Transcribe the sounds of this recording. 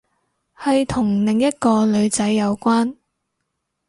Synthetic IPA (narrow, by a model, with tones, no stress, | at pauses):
hɐ˨jt̪ʰʊ˨˩ŋlɪ˨ŋjɐ˥t̚kɔː˧lɵ˨˧ɥt͡sɐ˨˥jːɐ˨˧wkʷaː˥n